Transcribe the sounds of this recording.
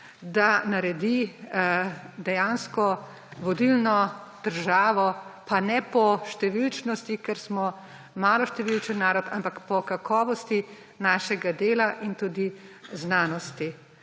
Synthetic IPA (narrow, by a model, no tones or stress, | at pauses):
d̪anaɾɛd̪i | d̪ɛjanskɔ | ʋɔd̪ilnɔd̪̥əɾʒaːʋɔpanɛpɔʃt̪ɛʋilt͡ʃnɔst̪ikɛɾsmɔ | maːlɔʃt̪ɛʋilt͡ʃənnːaːɾɔt̪ampakpɔkakʰɔːʋɔst̪i | naːʃɛɡad̪eːlaʔint̪uːd̪iznaːnɔst̪i